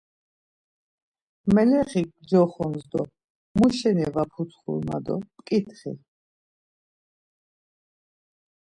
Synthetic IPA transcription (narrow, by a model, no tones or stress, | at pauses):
mɛlɛχiɡ̚d͡ʒɔχɔmzd̪ɔ | muʃɛnɛvapʰut͡s̪ʰχṵɾma̰d̪ɔ̰pkʼit̪ʰχḭ